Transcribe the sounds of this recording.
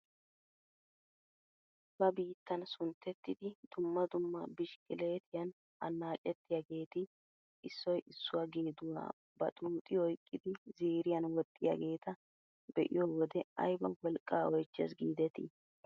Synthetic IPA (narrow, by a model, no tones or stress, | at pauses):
b̥ɐbiːt̪ːɐnsʊnt̪ʰːɛt̪ːɪd̪ɪd̪ʊmːɐd̪ʊmːɐbɪʃkʼɪle̞ːt̪ɪjɐn | ɐ̰nːaːt͡ʃʼːɛt̪ːɪjɐɡe̞ːt̪ɪ | ʔɪsːɔjʔɪsːʊwɐɡeːd̪ʊwa̰ː | bɐt̪ʼuːt̪ʼɪɔjkʼːɪd̪ɪziːɾɪjɐnwɔt̪ʼːɪjɐ̰ɡe̞ːt̪ɐ | bɛʔɪ̰joːwɔd̪ɛɐ̰jbɐwɔlkʼːaːɔjt͡ʃːɐ̰s̬ɡiːd̪ɛt̪ḭ